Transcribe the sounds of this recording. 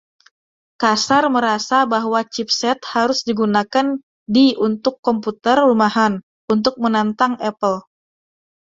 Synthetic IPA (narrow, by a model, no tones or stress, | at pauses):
kasarməɾasabaɦwat͡ʃip̚sɛt̪̚haɾʊsdiɡunakan | diunt̪ʊkːɔmput̪ərːumaɦan | unt̪̬ʊk̚mənant̪aŋɛpəl